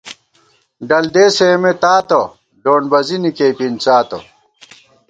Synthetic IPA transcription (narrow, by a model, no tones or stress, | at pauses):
ɖɐld̪eːsemet̪aːt̪o | ɖoːɳbɐzinikepint͡saːt̪o